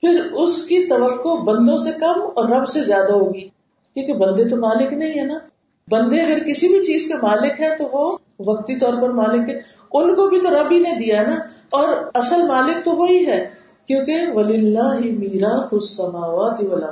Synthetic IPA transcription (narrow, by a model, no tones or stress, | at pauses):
pʰɪɾʊskit̪ɐʋəkːobɐ̃nd̪õsekɐmɔːɾːɐbsezjaːd̪aɦoːɡiː | kjõːkebɐ̃nd̪et̪omaːlɪknɐɦĩɦɛːnaː | bɐ̃nd̪eɐɡəɾkɪsibʱit͡ʃiːzkemaːlɪkɦɛt̪oʋo | ʋɐkt̪it̪ɔːɾpɐɾmaːlɪkɦɛː | ʊnkobʱit̪oɾɐbɦined̪ijaɦɛnaɔːɾɐsəlmaːlɪk̚t̪oʋoɦiɦɛː | kjõːkeʋɐlɪlːaːɦɪmiːɾaːfʊsːɐmaːʋaːt̪iʋɐlɐ